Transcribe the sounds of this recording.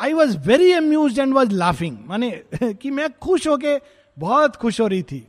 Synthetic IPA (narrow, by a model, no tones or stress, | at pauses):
ajʋɔzʋɛɾiɐmjuːzɖɛ̃ɳɖʋɔzlafɪ̃ŋmanekimɛ̃kʰʊʃɦok̬e | bɔːt̪kʰʊʃɦoːɾəɦit̪ʰiː